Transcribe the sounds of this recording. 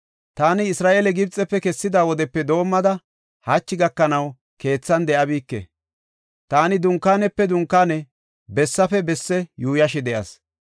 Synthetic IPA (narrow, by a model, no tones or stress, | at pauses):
t̪aːnɪɪsɾaːʔeːlɛɡɪbt͡sʼːɛpːɛkɛsːɪd̪aːwɔd̪ɛpːɛd̪o̞ːmːɐd̪ɐ | hɐt͡ʃːɪɡɐkːɐnɐw | ke̞ːt͡sːɐnd̪ɛʔɐbiːkːɛ̰ | t̪aːnɪd̪ʊŋkːaːnɛpːɛd̪ʊŋkːaːnɛ | bɛsːɐfɛbɛsːɛjuːjɐʃɛd̪ɛʔɐ̰s